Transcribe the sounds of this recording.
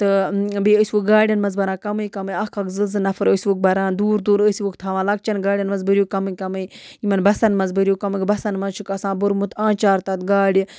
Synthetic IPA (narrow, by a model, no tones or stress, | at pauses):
t̪ɨbiəsʲʋuk̚ɡaːɽʲjɐnmɐzbɐɾãːkɐmɨjkɐmɨjɐkɐkzɨzɨnɐfɐɾəːsʲʋuk̚bɐɾãːnd̪uːɾd̪uːɾəsʲiʋukt̪ʰaːʋãːlɐk̚t͡ʃɐnɡaːɽʲjɐnmɐzbɨɾʲjukɐmɨkɐmɨjimɐnbɐsɐnmɐzbɨɾjukɐmɨkbɐsɐnmɐzt͡ʃʰukɐsãːbuɾmut̪ãːt͡ʃaːɾt̪ɐt̪ɡaːɽʲi